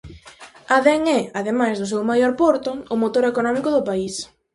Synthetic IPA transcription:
aðɛŋɛaðemajzðʊsewmajoɾpɔɾt̪ʊːmot̪oɾekonɔmikʊðʊpais

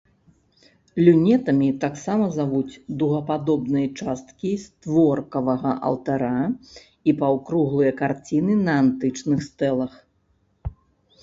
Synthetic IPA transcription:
plʲunʲɛt̪ɐmʲit̪aksamɐzavut͡sʲd̪uɣɐpad̪ɔbnɨjɐt͡ʂast̪kʲist̪vɔrkɐvɐɣɐʔɐ̰lˠt̪aɾa | ipawkɾuɣlˠɨjɐkart͡sʲinɨnɐant̪ɨt͡ʂnɨxst̪ɛlˠɐx

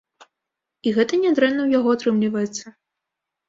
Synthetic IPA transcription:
iɣɛt̪ɐnʲɛd̪ɾɛnːɐwjaɣɔat̪ɾɨmlʲivɐjɛt̪sːɐ

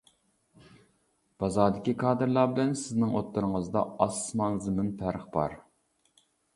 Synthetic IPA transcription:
b̥ɑzɑːd̪ɪkʲikʰɑːd̪ɨɾlˠɑɾbɪlɛnsɪznɪŋot̪ːuɾɨŋəzd̪ɑ̰ɑsmɑŋzɪmɪnpʰæɾχbɑ̰ɾ

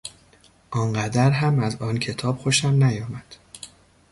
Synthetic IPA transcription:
ʔɒːŋɢæd̪æɾɦæmæzɒːncʰe̞t̪ʰɒːb̥xoʃæmnæjɒːmæd̪̥

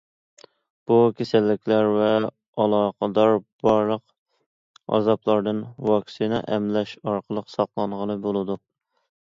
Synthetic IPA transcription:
b̥ukʲʰesælːɪkʲlæɾvɛ | ɑlˠɑːqəd̪ɑɾb̥ɑɾlˠəq | ɑ̰zɑplˠɑɾd̪ɨnwɑkʲsinɛʔɛmlɛʃɑɾqəlˠəqsɑχlˠɑɴʁənɨbolˠɨd̪u

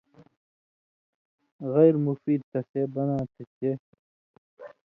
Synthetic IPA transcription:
ɣɐjɾmufiːd̪̚t̪ɐseːbɐnãːt̪et͡ɕe

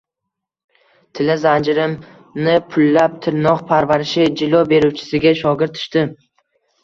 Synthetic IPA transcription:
t̪ʰɪlɪzand͡ʒɪɾɪm | nɪpʰʊlːap̚t̪ʰɪɾnɒqpʰaɾvaɾɪʃɪd͡ʒɪlˠɒbe̞ɾuwt͡ʃʰɪ̥sɪɡʲaʃɒɡʲɪɾt̪ʰːʊ̥ʃt̪ɪ

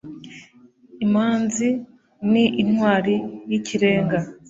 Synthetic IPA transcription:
imaːnzi | niʔinwaːɾijicʰiɾe̞ːŋɡa

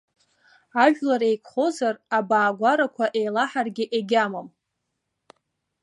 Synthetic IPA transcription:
aʒᶣlaɾejkʷʰχo̞zarabaːɡʷaɾakʷʰaʔe̞jlaħarɡʲɪʔeɡʲamam

